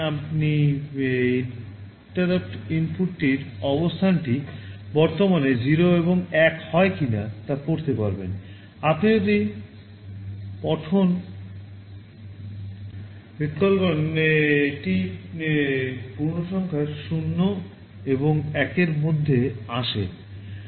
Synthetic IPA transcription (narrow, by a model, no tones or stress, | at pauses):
apni | i | ʈaɾapʈimpuʈːiɾɔbost̪ʰanʈibɔɾt̪omaned͡ʑiɾoeβoŋɛkhɔekinat̪akoɾt̪epaɾbḛn | at̪ʰeot̪i | pɔʈʰon | et̪kɔlkon | ʈi | puɾnoʃɔŋkʰaeɾʃunːo | eboŋɛkeɾmod̪ʱːeaʃḛ